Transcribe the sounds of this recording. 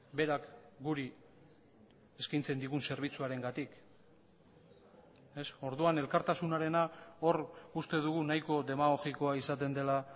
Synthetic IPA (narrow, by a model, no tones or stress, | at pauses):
be̞ɾakɡuɾi | e̞skajnt͡se̞nd̪iɣunse̞ɾβ̞it͡suaɾe̞ŋɡat̪ik | e̞so̞ɾðuane̞lkaɾt̪asunaɾe̞nao̞rust̪e̞ðuɣ̞unajko̞ðe̞maɣo̞ɣiko̞aisat̪e̞nd̪e̞la